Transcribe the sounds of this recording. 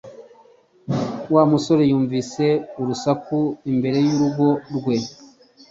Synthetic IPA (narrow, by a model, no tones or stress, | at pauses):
waːmuso̞ɾe̞juːɱvise̞uɾusakuimbe̞ɾe̞juɾuɡo̞ɾɡwe̞